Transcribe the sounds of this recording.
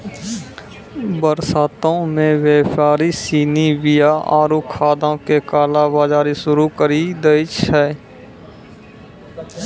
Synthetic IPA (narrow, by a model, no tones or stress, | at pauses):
bəɾsaːt̪õmẽʋeːpaːɾisiːniwɪjaʔaːɾukʰːaːd̪õkekaːlabaːd͡ʒaːɾisʊɾukəɾid̪əɪt͡ʃɛː